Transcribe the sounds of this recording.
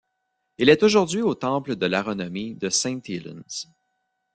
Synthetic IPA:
ilɛt̪oʒuʁd̪zɥiot̪ɑ̃ːpləd̪əlaʁɔnɔmid̪əsɛ̃t̪ilə̰nz̥

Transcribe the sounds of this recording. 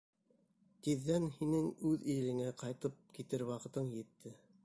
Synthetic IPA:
t̪iðːænhinɘŋʉðij̆lɘ̆ŋæqɑjt̪ɤp̚kit̪ɘɾwɑqɤ̆t̪ɤɴjɘ̆t̪ːɘ

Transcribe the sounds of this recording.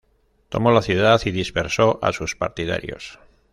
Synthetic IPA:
t̪o̞̰mo̞laθjuðaθiðispeɾso̞ʔa̰suspaɾt̪iða̰ɾjo̞̰s

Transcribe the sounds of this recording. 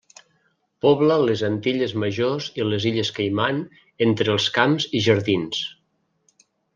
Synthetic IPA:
pɔβləlezənt̪iʎəzməʒozileziʎeskəjman | ent̪ɾəːlˠskamziʒəɾðins

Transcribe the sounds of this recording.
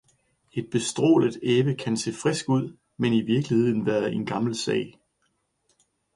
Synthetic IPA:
e̝d̥̚b̥e̝sd̥ʁo̰ːləð̥ˠeːbəkʰænse̝̰ːfʁɛsɡ̥uð̞̰ˠ | meniʋiɐɡ̥lihe̝ð̞̰ˠn̩ʋæːɐʔe̝nɡ̥ɑ̈ml̩sɛ̰ɪ̰

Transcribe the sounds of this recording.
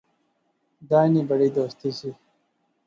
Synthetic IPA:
d̪aːjnibɐɽiːd̪oːst̪iːsi

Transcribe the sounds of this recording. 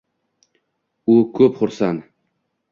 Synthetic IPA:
ukʰɵpχʊɾsan

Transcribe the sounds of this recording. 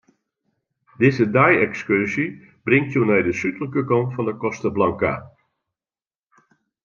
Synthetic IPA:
dɪzədajɛkskørsi | b̥rɪŋtjonɛjdəsytələkəkɔnfɔndəkɔstəblaŋka̰

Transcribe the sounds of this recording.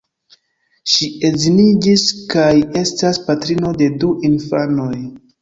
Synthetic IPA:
ʃie̞zinid͡ʒiskaje̞staspatɾino̞de̞duʔinfano̞j

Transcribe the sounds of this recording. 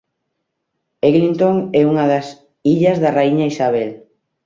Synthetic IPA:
eɣlint̪oŋɛuŋaðas | iʎɐzðaraiɲaisaβ̞el

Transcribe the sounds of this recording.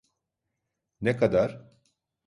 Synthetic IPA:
nekʰad̪aɾ̥

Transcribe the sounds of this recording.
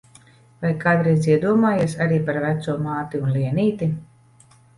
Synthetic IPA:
vajkaːt̪ɾɛjziɛd̪uɔmaːjeɛsaɾiːpaɾvæt̪suɔmaːt̪iunliɛniːt̪i

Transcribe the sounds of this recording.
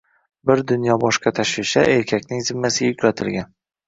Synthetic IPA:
bɪɾd̪ʊnjɒbɒʃqɑt̪ʰaʃvɪʃaʔe̞ɾkʲʰakʲnɪŋzɪmːasɪɡʲajʊkʲlat̪ʰɪlɡʲan

